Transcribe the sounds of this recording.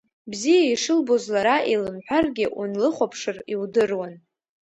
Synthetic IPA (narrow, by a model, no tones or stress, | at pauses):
bzijaiʂɨlbozlaɾaʔilɨmħʷᶣarɡʲɪʔṵnlɨχʷapʰʂɨriwdɨrwan